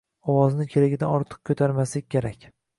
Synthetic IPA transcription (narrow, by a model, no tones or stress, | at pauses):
ɒwɒznɪkʲʰeɾɪɡʲɪd̪anɒɾt̪ʰɨ̥q̚kʰɵt̪ʰaɾmaslɪkʲʰeɾakʲ